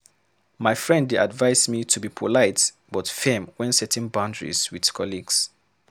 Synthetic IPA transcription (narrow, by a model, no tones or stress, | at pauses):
maɪfɹɛ̃ndadvaɪsmitʰubipʰɔlaɪt | b̥ɔtfɛ̃mwɛ̃nsɛtʰɛ̃nbãʊ̃ndɹḭzwið̥kʰɔliɡs